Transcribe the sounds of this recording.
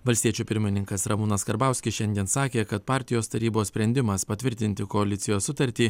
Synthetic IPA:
ʋɐlʲsʲt̪ʲiɛt͡ʃʲuːpʲɪɾʲmʲɪnʲɪŋkɐsɾɐmʊnɐskɐɾbɑˑʊsʲkʲɪsʃʲɛnʲd̪ʲiɛnsɑːkʲeːkɐt̪pɑːɾʲt̪ʲɪjoːst̪ɐɾʲiːboːssʲpʲɾʲɛnʲd̪ʲɪmɐspɐt̪ʲʋʲɪɾʲt̪ʲɪnʲt̪ʲɪkoɐlʲɪt̪sʲɪjoːssʊt̪ɐɾʲt̪ʲiː

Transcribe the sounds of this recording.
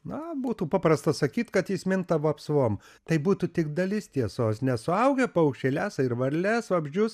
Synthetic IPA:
nɐbuːt̪uːpɑːprɐst̪ɐsɐkʲiːt̪kɐt̪jiːsʲmʲɪnt̪ɐʋoɐpsʋoːm | t̪ɐɪbuːt̪ut̪ʲɪkd̪ɐlʲɪst̪ʲiɛsoːsnʲɛsʊɐʊɡʲɛpɐɐʊkʃʲt͡ʃʲelʲæːsɪɾʋɐɾʲlʲɛsʋɐbʲʒʲd͡ʒʲʊs

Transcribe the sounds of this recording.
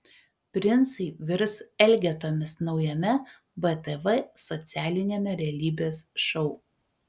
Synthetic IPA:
pʲɾʲɪnt̪sɐɪʋʲɪɾsɛlʲɡʲɛt̪oːmʲɪsnɒʊjɛmʲɛ | bɛt̪ɛʋɛsɔt̪sʲæːlʲɪnʲeːmʲɛɾʲɛɛlʲiːbʲeːsʃɔʊ

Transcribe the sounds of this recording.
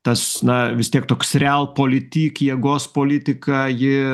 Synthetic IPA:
t̪ɐsnɐʋʲɪst̪ʲiɛkt̪oːksrʲælˠpoːlʲɪt̪ʲiːkjiɛɡoːspoːlʲɪt̪ʲɪkɑjɪ

